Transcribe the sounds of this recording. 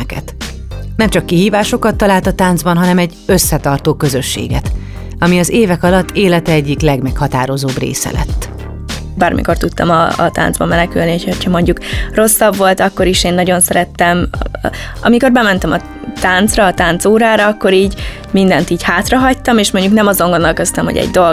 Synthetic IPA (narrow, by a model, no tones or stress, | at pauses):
kɛt̪ | nɛmt͡ʃɒkːiɦiːvaːʃo̞kɒt̪ːɒlaːlt̪ɒt̪aːnd̪zbɒnɦɒnɛmɛɟ | øsːɛt̪ɒrt̪oːkøzøʃːḛːɡɛt̪ | ɒmiɒzeːvɛkɒlɒt̪ʰːeːlɛt̪ɛɛɟːiklɛɡmɛkhɒt̪aːɾo̞zoːbrḛːsɛ̰lɛ̰t̪ː | baːrmḭko̞rt̪ut̪ːɒ̰mɒ̰ːt̪a̰ːnd̪zbɒ̰mːɛnɛkylniocʰocʰhɒmo̞ɲɟukro̞sːɒbvo̞lt̪ɒkːo̞ɾiʃeːnːɒɟo̞nsɛɾɛt̪ːɛm | ɒ̰miko̞rbɛmɛnt̪ɛmɒ | t̪aːnt̪srɒːt̪aːnt̪soːɾaːɾɒɒkːo̞ɾiːɟ | mind̪ɛnt̪iːchaːt̪rɒɦɒc̚t̪ɒmeːʃmo̞ɲɟuknɛmɒzo̞ŋɡo̞nːɒlkøst̪ɛmɦo̰ɟɛ̰ɟd̪o̞